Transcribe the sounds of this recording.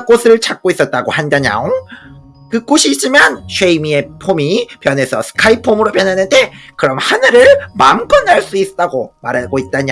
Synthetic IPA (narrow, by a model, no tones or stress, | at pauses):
k͈osʰɯɭt͡ɕʰak̚k͈ois͈ʌt̚t͈aɡohandaɲa̰oŋ | kɯk͈oɕʰiːt͡ɕ͈imanɕʰeimie̞pʰomipjʌne̞sʰʌsʰɯ̥kʰaipʰomɯɾopjʌnɦanɯnde̞kɯɾʌmhanɯɾɯɭmamk͈ʌnːaɭs͈uist͈aɡomaɾaɡoit̚t͈aɲa